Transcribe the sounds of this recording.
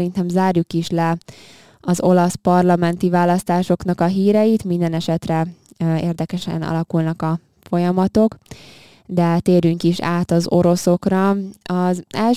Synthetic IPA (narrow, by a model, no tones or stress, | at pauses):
ɾint̪ɛmzaːrjukiʃlɛ | ɒzo̞lɒspɒrlɒmɛnt̪ivaːlːɒst̪aːʃo̞kn̪ɒkɒɦiːɾɛjit̪mind̪ɛnɛʃɛt̪rɛ | ḛːrd̪ɛkɛʃɛ̰nɒ̰lɒkulnɒkɒ | fo̞jɒmɒt̪o̞k | d̪ɛt̪eːɾyŋkiʃa̰ːt̪ɒzo̞ɾo̞so̞krɒɒzɛl